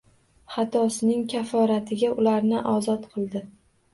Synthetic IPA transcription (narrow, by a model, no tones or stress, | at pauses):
χɑt̪ʰɒsɪnɪŋkʲʰafɒɾat̪ʰɪɡʲaʔʊlaɾnɪʔɒzɒt̪qʰɨlˠd̪ɪ